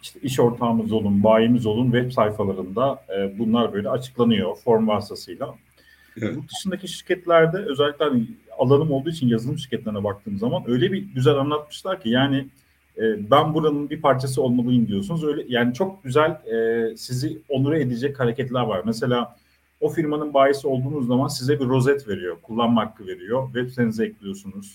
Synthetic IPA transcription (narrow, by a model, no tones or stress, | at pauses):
iʃt̪ʰɛiʃo̞ɾt̪ʰaːmɯzo̞lˠunbaːjimizo̞lˠunvɛpsajfalˠaɾɯnd̪aːbunlˠaɾbøjlʲɛat͡ʃʰɯ̥klˠanɯjo̞fo̞ɾmvaɾsasɯjlˠa | bud̪ɯʃɯnd̪aciʃiɾcʰɛt̪lʲæɾd̪ɛø̞zɛlʲːiclʲɛhanialˠanɯmolˠd̪uːit͡ʃʰinjazɯlˠɯmʃiɾ̥cʰɛt̪lʲeɾinɛbak̚t̪ʰɯːmzamanø̞jlʲɛbiɟyzælʲanlˠat̪̚mɯ̥ʃlˠaɾcʰijaːnɪ | ɛːbænbuɾanɯnbipʰaɾt͡ʃʰas̬ɯo̞lˠmalˠɯjɯmd̪ijo̞sunuzø̞jlʲɛjaːnit͡ʃʰo̞k̚ɟyzælʲɛsizio̞nuɾae̞d̪id͡ʒɛchaɾecɛt̪lʲæɾvaɾmɛse̞lʲaː | o̞fiɾmanɯnbaːjisio̞lˠd̪uːnuzːamansizɛbiɾo̞zɛt̪ve̞ɾijo̞kʰulˠːanmakʰːɯve̞ɾijo̞vɛsenizɛɛclʲijo̞sunuz̥